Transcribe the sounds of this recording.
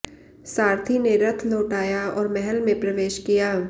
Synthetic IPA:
saːɾt̪ʰineɾɐt̪ʰloːʈaːjaɔːɾmɛɦɛlmẽpɾɐʋeːʃkijaː

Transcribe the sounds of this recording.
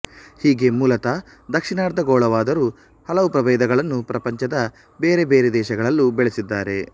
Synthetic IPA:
hiːɡe̞muːlɐt̪ɐ | d̪ɐkʂiɳaːɾd̪ɐɡoːɭɐʋaːd̪ɐɾuː | hɐlɐʋupɾɐʋeːd̪ɐɡɐɭɐnːupɾɐpɐɲt͡ʃɐd̪ɐ | beːɾe̞beːɾed̪ɛːʃɐɡɐɭɐlːubɛɭesid̪ːaːɾe̞

